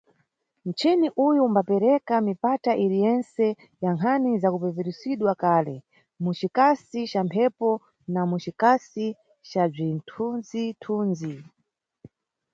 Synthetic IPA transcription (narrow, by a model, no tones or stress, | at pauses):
n̩t͡ʃɛniʔujumbapɛɾɛkamipataʔiɾijɛnsɛ | jaŋkʰanizakupɛvɛɾisiɗwakalɛ | mut͡ʃikasit͡ʃampʰɛpɔ | namut͡ʃikasi | t͡ʃab͡ʐintʰunzitʰuːnzi